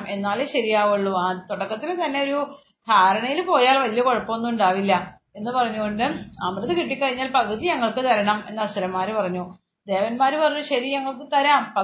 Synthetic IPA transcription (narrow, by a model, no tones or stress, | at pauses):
mʔe̞nːaːleɕɐɾijaːʋuɭːuaːt̪oɽɐkːɐt̪ːilet̪ɐnːe̞o̞ɾu | d̪ʱaːɾɐɳɐjilpo̞ːjaːlʋɐlijɐkoɻɐpːomnːuuɳɖaːʋilːɐ | e̞nːɨpɐrɐɲːuɣo̞ɳɖɨɐmrɨðɨkiʈːikʲːɐɻiɲːaːlpɐɣɐðiɲɐŋːɐɭkɨt̪ɐɾɐɳɐme̞nːɐsɐɾɐmːaːɾupɐrɐɲːu | d̪e̞ːʋɐnmaːɾupɐrɐɲːuɕɐɾiɲɐŋːɐɭkɨt̪ɐɾaːmpɐ